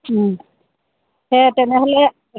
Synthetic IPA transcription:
hɛtɛnɛɦɔlɛ

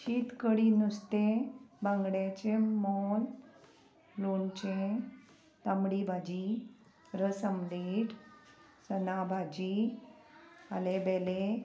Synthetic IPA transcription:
ɕiːt̪kəɽinust̪ebãŋɡɽjat͡ɕemɔn | lont͡ɕẽ | t̪amɽibʱad͡ʑi | ɾəsamliʈ | sənabʱad͡ʑi | alebɛle

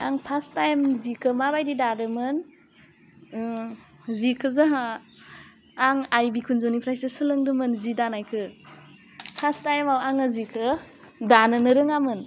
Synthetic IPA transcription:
a̰ŋpʰastajmzikʰɯmabajdidadɯmɯn | zikʰɯzaɦa | ŋajbikʰunzonipʰɾajsɯsɯlɯŋdɯmɯnzidanajkʰɯ | pʰastajmawaŋɯzikʰɯ | danɯnɯɾɯŋamɯn

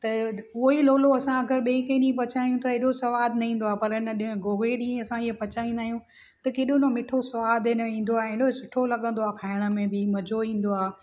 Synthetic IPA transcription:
t̪ɐʊɦiloːloɐsãɐɡəɾɓẽːɪ̃kɐ̃ɗĩpɐt͡ɕaːijũt̪ɐeːɗosɐʋaːd̪nɐɦĩːn̆d̪oaːpɐɾɪnəɗɪɦɡoːɡeɗĩːẽɐsãiɦepɐt͡ɕaːĩnd̪aːɦijũ | t̪ɐkeːɗonomɪʈʰosɐʋaːd̪ɪn̆ĩːn̆d̪oaːẽɪɗosʊʈʰolɐɠə̃n̆d̪oaːkʰaːɪɽ̃ə̆mẽbɪmɐd͡ʑʱoĩːn̆d̪oaː

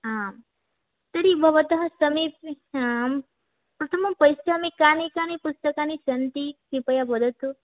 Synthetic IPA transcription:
am | t̪ɐɾibʱɐʋət̪ɐɦɐ̃sɐmip | pɾɐt̪ʰɐmɐmpɐjsjamikanikanipust̪ɐkanisɐnt̪isipɐjabɐd̪ʱət̪u

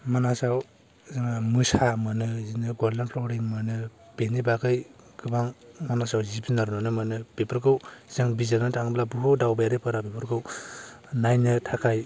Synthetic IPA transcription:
manasaw | zaŋamɯsamɯnɯzinɯɡɔɾlanpʰlɔɾiŋmɯnɯpenibakɯj | kɯbaŋmanasawzipinaɾunɯnɯmɯnɯpepʰɯɾkɯwz̥ɯŋbizanɯtʰaŋblabuɦudawbajaɾɯpʰɯɾapepɯɾkʰɯw | najnɯtʰakʰaj

